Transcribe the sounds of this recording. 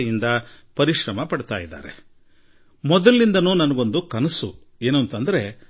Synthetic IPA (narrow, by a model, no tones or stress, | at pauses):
jind̪ɐ | pɐɾiʃɾɐmɐpɐɽt̪aːjid̪ːa̰ːɾḛ | mɔd̪ɐlːind̪ɐnuːnɐnɐɡo̞nd̪ukɐnɐsu | eːnɐnt̪ɐnd̪ɐɾe̞